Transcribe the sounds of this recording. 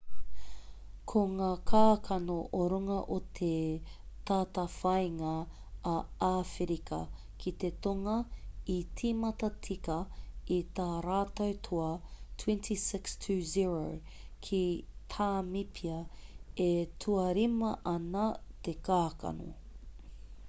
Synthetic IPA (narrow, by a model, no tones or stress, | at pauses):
kʰoŋaːkʰaːkʰɐnoʔoɾuŋɐʔot̪ʰet̪aːtɐfɐjŋɐː | aːfeɾikɐ̰ | kʰit̪et̪oŋɐitʰiːmɐt̪ɐt͡sikɐit̪aːɾaːt̪ɐwt̪ʰoɐtʰwɛ̃nt̪ʰisɪkstʰʉːziɹo | kʰit̪ʰaːmipʰiɐetʰuɐɾimɐʔɐnɐt̪ekaːkɐ̰no̰